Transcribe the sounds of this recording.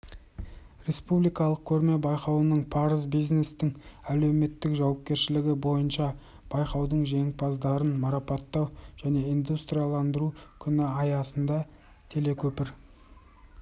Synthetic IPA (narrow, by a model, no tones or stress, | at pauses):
ɾe̞spublijkɑlˠəq̚kʲʰɵɾme̞bɑjqɑwənəɴpʰɑɾəzbijzne̞st̪ɪŋæle̞wme̞t̪ːɪkʒɑwɑp̚kʲe̞ɾʃɪlɪɡʲɪbo̞jənʃɑ | b̥ɑjqɑwd̪əɴʒe̞ŋpʰɑzd̪ɑɾənmɑɾɑpɑt̪ːɑwʒ̥æne̞ijnd̪ust̪ɾijɑlˠɑnd̪əɾukʲʰʏnɪɑjɑsənd̪ɑ | t̪ʰele̞kʲʰɵpɪɾ